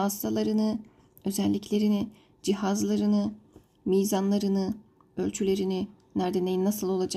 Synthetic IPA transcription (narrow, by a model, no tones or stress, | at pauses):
ast̪ʰalˠaɾɯnɯ | ø̞zɛlʲːicʰlʲe̞ɾini | d͡ʒiɦazlˠaɾɯnɯ | mijzanlˠaɾɯnɯ | ø̞lʲt͡ʃʰylʲe̞ɾini | næɾd̪enʲeinːasɯlˠo̞lˠad͡ʒa